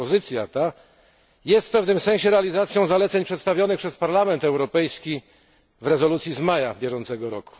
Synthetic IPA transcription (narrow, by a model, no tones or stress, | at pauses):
ɔzɘt̪sʲjat̪a | jɛst̪fpɛvnɘmsɛ̃ɕɛɾɛalʲizat̪sʲjɔ̃w̃zalɛt̪sɛɲpʂɛt̪st̪avʲjɔnɘxpʂɛspaɾlamɛnt̪ɛwɾɔpɛjskʲi | vɾɛzɔlut̪sʲjizmajabʲjɛʐɔnt̪sɛɡɔɾɔku̥